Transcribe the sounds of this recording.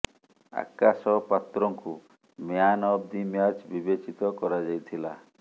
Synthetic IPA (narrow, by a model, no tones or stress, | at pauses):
a̰kasɔpat̪ɾɔŋku | meanɔbd̪imjat͡ʃbibet͡ʃit̪ɔkɔɾad͡ʒajt̪ʰila̰